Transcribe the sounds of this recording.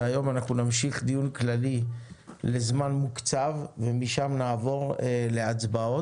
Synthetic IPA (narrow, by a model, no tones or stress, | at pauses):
ajo̞manaχnunamʃiχd̪ijunklali | le̞zmanmukt͡savvemiʃamnaːvo̞ʁele̞at͡sbao̞